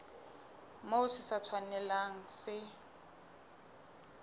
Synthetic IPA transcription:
moʊsɪsat͡sʰwanɛlaŋ̩sɪ

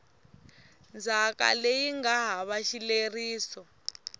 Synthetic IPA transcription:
nd͡zʱaka̰lejiŋɡaɦaβaʃileriːsɔ

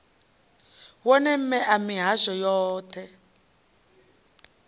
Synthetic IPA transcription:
wɔnɛm̩mɛʔamiɦaʃɔjɔːtʰɛ

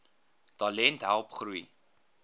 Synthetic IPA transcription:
tɐlɛntɦælˠpχruj

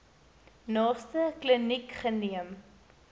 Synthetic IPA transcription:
nɑːstəklənikχəniəm

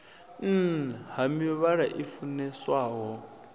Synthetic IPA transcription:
n̩hamiɛβaɺaʔifunɛswaːɦɔ

